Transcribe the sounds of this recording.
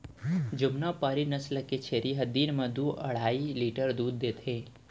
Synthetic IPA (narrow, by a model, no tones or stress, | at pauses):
d͡ʒʊmnapaːɾinɐslket͡ʃʰeːɾiɦɐd̪iːnmə̃d̪uːʔɐ̰ɽ̤aːiliːʈəɾd̪uːd̪̚ːeːt̪ʰẽː